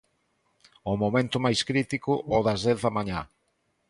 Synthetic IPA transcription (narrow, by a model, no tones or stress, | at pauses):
ʊmomẽnt̪ʊmajskɾit̪ikʊʔɔðɐzðɛθðɐmaɲa